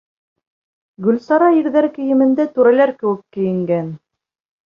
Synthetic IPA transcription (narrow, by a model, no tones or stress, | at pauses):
ɡɵ̆lsɑɾɑiɾðæɾkɘ̆jɘ̆mɘ̆nd̪æt̪ʉɾælæɾkɘ̆wɘkːɘ̆jɘ̆ŋɡæn